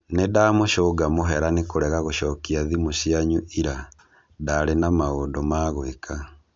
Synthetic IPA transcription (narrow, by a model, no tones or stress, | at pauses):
nedaːmoʃoɡamoɦɛɾanekoɾɛɣaɣoʃɔkiaðimoɕiaɲuʔiɾa | daɾenamaondɔmaːɣwekʰa